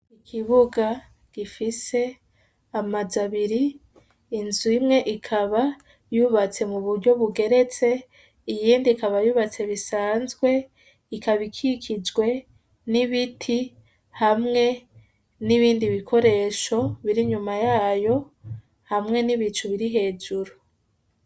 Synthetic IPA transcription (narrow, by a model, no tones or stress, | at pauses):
ikʰiβuɡa | ɡ̥ifise̞ | amazaβiɾiː | nzuimŋe̞ʔikʰaβa | juβat͡se̞muβuɾɟo̞βuɡe̞ɾe̞t͡se̞ | ijiːndikaβajuːβat͡se̞βisaːnzɡwe̞ | ikʰaβikʰikʰid͡ʒɡwe̞ | niβitʰi | hamŋe̞ | niβiːndiβikʰo̞ɾe̞ʃo̞βiɾiɲumajaːjo̞ | hamŋe̞niβit͡ʃuβiɾiɦe̞ːd͡ʒuɾu